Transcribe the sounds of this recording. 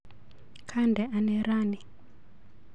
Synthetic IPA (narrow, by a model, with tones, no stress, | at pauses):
kʰa˦ndʱɛ˨ʔa˦nera˦ni˨